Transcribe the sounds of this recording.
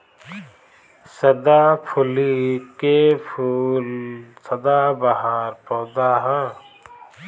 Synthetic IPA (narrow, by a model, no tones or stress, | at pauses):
sɐd̪apʰʊlikepʰulsɐd̪abɐɦaːɾpɔːd̪aɦɛ